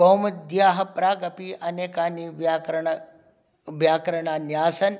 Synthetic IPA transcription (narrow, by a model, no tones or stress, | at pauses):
oːmɐd̪jaːɦɐ̆pɾaːɡɐpiʔɐneːkaːniʋakɾ | ʋjaːkɾɐɽ̃aːnjaːsɐn